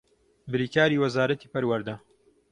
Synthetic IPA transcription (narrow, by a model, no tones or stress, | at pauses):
bɨɾiːkaːɾiːwɐzaːɾɐt̪iːpɐɾwɐɾd̪ɐ